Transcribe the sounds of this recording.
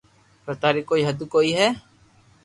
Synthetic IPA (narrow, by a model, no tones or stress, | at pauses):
pɾət̪aːɾiːkːoːiːɦəd̪ukoːiːɦɛː